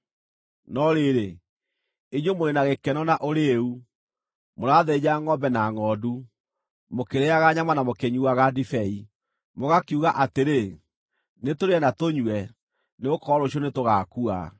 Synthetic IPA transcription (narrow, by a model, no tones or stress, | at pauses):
nɔɾeɾe | iɲomoɾenaɣekɛnɔnaʔoɾeu | moɾaðɛd͡ʑaŋɔbɛnaŋɔːdu | mokeɾeaɣaɲamanamokeɲuwaɣadifɛi | moɣakiuɣaʔateɾe | netoɾeɛnatoɲwɛ | neokɔɾoɕ̬ɔnetoɣakua̰